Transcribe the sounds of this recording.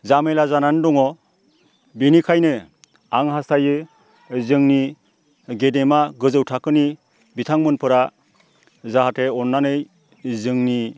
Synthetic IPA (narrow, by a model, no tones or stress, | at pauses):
zamelazanandɔŋɔ | binikʰajnɯ | aŋɦastajɯ | zɯŋni | ɡedemaɡɯzɯwtʰakɯni | bitʰaŋmɯnpʰɯɾa | zaɦatʰeɔnːanɯj | zɯŋni